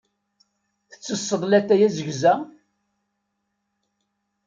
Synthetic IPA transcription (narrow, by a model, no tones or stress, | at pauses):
θə̥t͡sːəsˤːəðˤlæt̪ːæjæzəʝzæ